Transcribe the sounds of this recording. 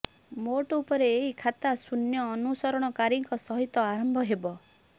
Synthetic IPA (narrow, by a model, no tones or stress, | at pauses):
moʈɔupɔɾeːɦikʰat̪asunjɔːnusɔɾɔɽ̃ɔkaɾiŋkɔsɔɦit̪ɔaɾɔmbʱɔɦebɔ